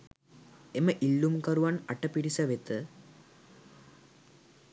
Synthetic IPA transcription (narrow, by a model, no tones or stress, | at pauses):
eməʔilːumkəɾuʋanaʈəpiɽisəʋet̪ə